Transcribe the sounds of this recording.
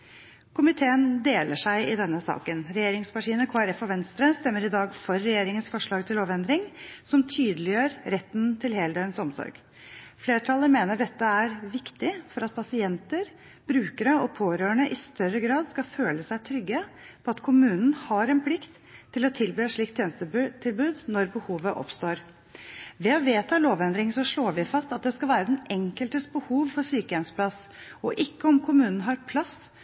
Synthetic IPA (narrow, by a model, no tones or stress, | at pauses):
kʰʊmɪt̪ʰeːənd̪eːləʂæɪɪd̪ɛnːəsɑ̰ːkənɾɛjeːɾɪŋspɑʈʰiːənəkʰoːæɾɛfɔʋɛnst̪ɾəst̪ɛmːəɾɪd̪ɑːɡfɔɾːɛjeːɾɪŋənsfɔʂɭɑːɡt̪ʰɪloːʋɛnd̪ɾɪŋsɔmt̪ʰyːd̪əlɪjøːɾɾɛt̪ːnt̪ʰɪlheːləd̪eʏənsɔmsɔ̰ɾɡ | fleːʈʰɑlːəɾmeːnəɖɛt̪ːəæɾʋɪkt̪ɪfɔɾɑt̪̚pʰɑsɪɛnt̪əɾ | b̥ɾʉːkəɾəɔpʰoːɾøːəɳəʔɪst̪œrəɡɾɑːd̪skɑføːləsæɪt̪ʰɾʏɡːəpʰɔɑt̪kʰʊmʉːnən̩hɑɾɛnpʰlɪkt̪ʰː | ɪlɔt̪ʰɪlbyːʂɭiːk̚t̪ʰːjeːnəst̪ət̪ʰɪlbʉːd̪nɔɾbəhuːʋəʔɔ̰pst̪oːɾ | ʋɛɔʋeːt̪ʰɑːloːʋɛnd̪ɾɪŋsɔʂɭoːɾʋɪfɑst̪ɑt̪̚d̪ɛskɑlʋæːɾəd̪ɛnɛŋkəlt̪əst̪bəhuːʋfɔɾsyːkəɛnsə̥pʰlɑs | ɔʔɪkːəɔmkʰʊmʉːnən̩ɦɑɾpʰlɑs